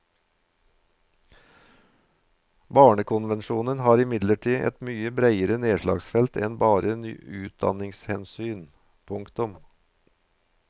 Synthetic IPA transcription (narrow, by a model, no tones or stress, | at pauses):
bɑːɳəkʰʊnʋɛnʃuːnənhɑːɾɪmɪd̪ləʈʰiːʔɛ̰t̪myːəbɾæɪəɾəneːʂlɑ̰ːɡsfɛlt̪ʰɛnbɑːɾəny̰ːʉːt̪̚d̪ɑ̰nɪŋshɛnsyːn | pʰʊŋkt̪ʊm